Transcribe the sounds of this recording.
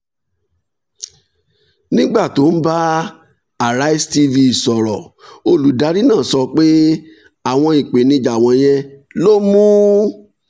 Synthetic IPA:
nĩ˦ɡ͡ba˦˨to˨˦n̩˦ba˦ | a˨ɾa˦i˦sti˧vi˧i˨sɔ˨ɾɔ˨o˧lu˨da˨˦ɾi˦nãː˦˨sɔ˧k͡pe˦ | a˦˨w̃ɔ̃˧i˨k͡pe˨nĩ˧d͡ʒa˨w̃ɔ̃˧j̃ɛ˧lo˦mũ˦

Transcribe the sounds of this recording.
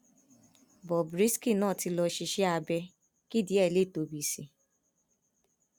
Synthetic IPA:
bɔ˨bɾi˦ski˦˨nãː˦˨ti˧lɔ˧ʃi˧ʃi˦a˧bɛ˧ | ki˦di˨˦ɛ˦˨le˦˨to˨bi˨si˨

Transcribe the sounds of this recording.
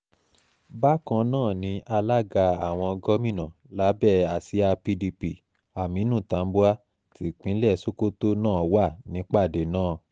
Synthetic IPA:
ba˦kã˧nãː˦˨nĩ˨˦ʔa˧la˦ɡa˧a˨w̃ɔ̃˧ɡɔ˦mĩ˦˨nã˨ | la˨˦bɛ˦˨a˨si˨˦a˧pi˧di˧pi˨ | a˨mĩ˨˦nũ˦˨ta˨˦m̩˦bo˦a˦ | ti˦k͡pĩ˨˦lɛ˦˨so˦ko˦to˦nãː˦˨˦wa˦˨nĩ˨˦k͡pa˦˨de˨nãː˦˨

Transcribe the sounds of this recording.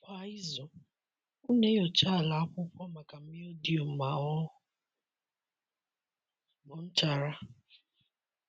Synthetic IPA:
pa˨˦i˦zɔ˨ | u˦ne˦jɔ˨t͡ʃa˦˨la˨a˦kʷʊ˦kʷɔ˦ma˨ka˨m̩˦mɪ˦o˦di˨o˨m̩˨ma˨ɔ˦ʊ˨ | mɔ˨n̩˦t͡ʃa˨ɾa˦

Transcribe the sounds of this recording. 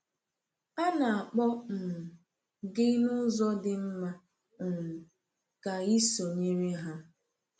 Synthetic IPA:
a˦na˨a˨k͡pɔ˦m̩˨ | ɡɪ˦nʊ˦zɔ˦dɪ˨m̩˦ma˦ | ŋ̩˨ | ka˨i˦so˨ɲe˦ɾe˦ɦa˦

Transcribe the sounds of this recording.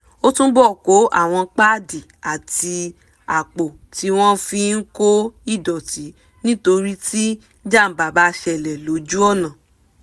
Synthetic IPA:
o˦tũ˦bɔ˦˨ko˨˦ʔa̰˦˨w̃ɔ̃˧k͡pa˦˨di˨a˨ti˧ | a˨k͡po˨ | ti˨˧˦w̃ɔ̃˦fĩ˧n̩˦ko˦i˦˨dɔ˨ti˨˦ | nĩ˦to˧ɾi˦ti˦ | d͡ʒa˦˨m̩˨ba˨ba˧˦ʃɛ˧˨lɛ˨lo˨˦d͡ʒu˦ɔ˦˨nã˨

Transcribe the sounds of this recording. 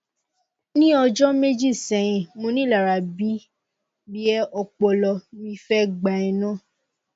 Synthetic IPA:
nĩ˦ɔ˧d͡ʒɔ˦me˦d͡ʒi˦˨sɛ̃˨ɛ̃˨mõ˧˦nĩ˦˨la˨ɾa˨bi˦ | bi˦ɛ˦ɔ˧k͡pɔ˧lɔ˧mĩ˧fɛ˦ɡ͡ba˨ɛ̃˧nã˦˨

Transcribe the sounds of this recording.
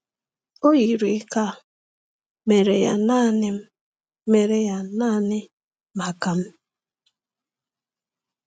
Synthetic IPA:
o˦ji˨ɾi˨˦ka˦ | me˨ɾe˨ja̰˨na˦nɪ˦m̩˦ | me˨ɾe˨ja˨na˦nɪ˦ | ma˨ka˨m̩˦

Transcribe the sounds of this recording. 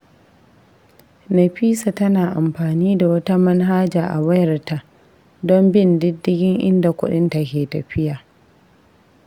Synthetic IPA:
nɐ˨ɸiː˦sa˨tɐ˦naː˨ʔa˨mɸaː˨niː˦da˨wɐ˦ta˦mɐ˦nɦaː˦d͡ʒaː˨ʔa̰˨wɐ˦jɐ˨rta˦˨ | dɔ˦mbɪ˦˨ndɪ˦dːɪ˦ɡʲɪ˦ŋʔɪ̰˦nda˨kʷʊ̰˦ɗɪ˦nta˨kʲeː˨tɐ˨ɸɪ˦jaː˨

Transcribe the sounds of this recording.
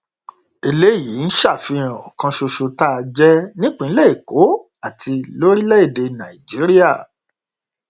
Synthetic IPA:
e˧le˦˨ji˨˦n̩˦ʃa˦˨fi˧ɾ̃ã˨ɔ̰˨kã˧ʃo˧ʃo˧ta˦˧d͡ʒɛ˦nĩ˦k͡pĩ˦˨˦le˦˨e˨ko˨˦ | a˦˨tʰi˧lo˦ɾi˦lɛ˦e˦˨de˧nã̰˨i˨d͡ʒi˨˦ɾi˦a˦˨

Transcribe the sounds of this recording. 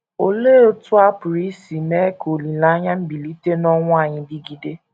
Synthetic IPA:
o˨leː˦o˦tʊ˦a˦pʊ˨ɾi˦si˨me˦ko˨li˨na˨˦ɲa˦m̩˦bi˨li˦te˦nɔ˦ŋʷʊ˦a˦˨ɲɪ˨dɪ˦ɡi˦de˦

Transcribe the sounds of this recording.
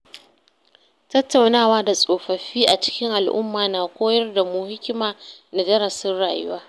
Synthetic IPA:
tɐ˦tːa˨wnaː˦˨waː˦da˨sʼoː˨ɸɐ˨ɸiː˦ʔa˨t͡ʃɪ̥˦kʲɪ˦ŋʔa˨lʔʊ̰˦mːaː˨naː˨kʷoː˦jɐ˦rda˨mʊ˨hɪ˦kʲɪ˦maː˨na˨d͡ʒɐ˦ɾɐ˨sɪ˦nɽaː˨jʊ˦waː˦

